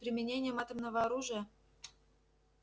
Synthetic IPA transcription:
pɾʲɪmʲɪnʲenʲɪjəmat̪əmnəvəɐɾuʐɨjə

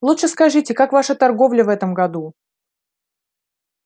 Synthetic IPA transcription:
lˠutʂɨskɐʐɨtʲɪkakvaʂət̪ɐrɡovlʲəvɛt̪əmɡɐd̪u

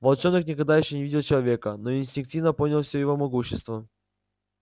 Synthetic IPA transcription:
vɐlˠt͡ɕo̞nːɨknʲɪkɐɡ̚d̪ajɪɕːonʲɪvʲidʲɪlˠt͡ɕɪlˠɐvʲe̞kənoɪnʲsʲtʲɪnk̚tʲivnəponʲɪlˠfsʲojɪvo̞mɐɡuɕːɪst̪və

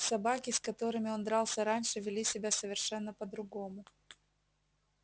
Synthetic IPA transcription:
sɐbakʲɪskɐt̪o̞ɾɨmʲɪo̞nd̪ɾɑlˠsʲəɾanʲʂɨvʲɪlʲisʲɪbʲasəvʲɪrʂɛnːəpəd̪ɾʊɡomʊ

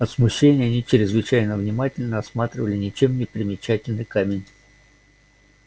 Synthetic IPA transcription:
ɐt̪smʊɕːenʲɪjəɐnʲit͡ɕɪɾʲɪzvɨt͡ɕæjnəvnʲɪmatʲɪlʲnəɾɐsmat̪ɾʲɪvəlʲɪnʲɪt͡ɕe̞mnʲɪpɾʲɪmʲɪt͡ɕætʲɪlʲnɨjkamʲɪnʲ

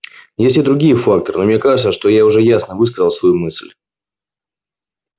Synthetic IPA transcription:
jesʲtʲɪd̪ɾʊɡʲijəfakt̪əɾɨ̰no̞mnʲekaʐɨt̪səʂt̪o̞jaʊʐɛjasnəvɨskəzəlˠsvɐjumɨsʲlʲ

